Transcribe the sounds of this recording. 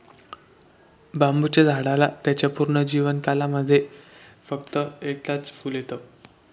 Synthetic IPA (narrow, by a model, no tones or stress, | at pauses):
bambut͡ɕed͡zʱaɽalat̪jat͡ɕjapuɾɳəd͡ʑiʋənkalaməd̪ʱːjefək̚t̪əekt̪at͡sfuːljet̪ə